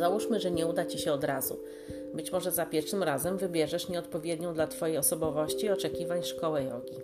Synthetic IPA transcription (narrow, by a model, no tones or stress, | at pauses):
zawuʂmɘʐɛɲɛud̪at͡ɕiɕɛɔd̪ɾazṵ | bɘt͡ɕmɔʐɛzapʲjɛɾfʂɘmɾazɛmvɘbʲjɛʐɛʂɲɛɔt̪̚pɔvʲjɛd̪ɲɔ̃w̃d̪lat̪fɔjejɔsɔbɔvɔɕt͡ɕiɔt͡ʂɛkʲivaɲʂkɔwɛjɔ̰ɡʲi